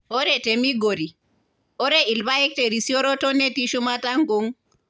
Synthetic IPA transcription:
ɔɾɛtemiɡoɾi | ɔɾɛilbajɛk̚tɛɾisiɔɾɔtɔnetiʃumataŋɡuŋ

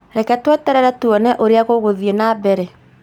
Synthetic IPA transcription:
ɾɛkɛtwɛtɛɾɛɾɛtuɔnɛʔoɾeaɣoɣoðienabɛɾɛ

